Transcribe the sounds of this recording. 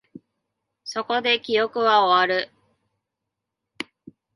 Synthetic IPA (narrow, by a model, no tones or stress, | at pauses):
so̞ko̞d̪e̞kʲijo̞kɯ̟βaoβaɾɯ̟